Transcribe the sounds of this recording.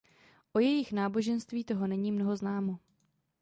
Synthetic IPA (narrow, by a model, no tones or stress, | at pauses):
ʔo̞jɛjɪxnaːbo̞ʒɛnst̪viːt̪o̞ɦo̞nɛɲiːmno̞ɦo̞znaːmo̞